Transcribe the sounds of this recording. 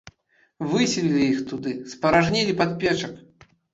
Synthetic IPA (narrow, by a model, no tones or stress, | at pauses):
vɨsʲilʲilʲiixt̪ud̪ɨspɐɾaʐnʲilʲipat̪̚pʲɛt͡ʂɐk